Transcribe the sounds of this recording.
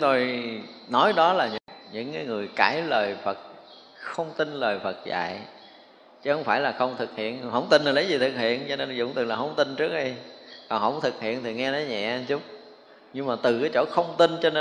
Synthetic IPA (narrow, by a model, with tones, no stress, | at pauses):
ŋ͡mt̪o˧jnɔ˨˦jɗɔ˨˦laː˨˩ɲɨ˧ŋɲɨ̰˧˥ŋkaː˨˦jŋɨ˨˩əjkaː˧˩jləː˨˩jfə˨˩t̚ | xə˧wŋ͡mt̪i˧nləː˨˩jfə˨˩t̚za̰ː˧˨j | t͡ɕə˦hə˧˦wŋ͡mfaː˧˩jlaː˨˩xə˧wŋ͡mt̪ʰɨ˨˩k̚hḭ˧˨ənɦə̰˧˥wŋ͡mt̪i˧nlaː˨˩lə˨˦jzi˨˩t̪ʰɨ˨˩k̚hḭ˧˨ənt͡ɕɔ˧ne˧nzʊ̰˧˨wŋ͡mt̪ɨ˨˩laː˨˩ɦə˧˦wŋ͡mt̪i˧nt͡ɕɨ˦˥ək̚ɗi˧jkɔ˨˩nhə̰˧˩wŋ͡mt̪ʰɨ˨˩k̚hḭ˧˨ənt̪ʰi˨˩ŋɛ˧nɔ˨˦jɲɛ̰˧˨˧t͡ɕu˨˦ŋ͡m | ɲɨ˧ŋmaː˨˩t̪ɨ˨˩kaː˨˦jt͡ɕo̰˧˩xə˧wŋ͡mt̪i˧nt͡ɕɔ˧ne˧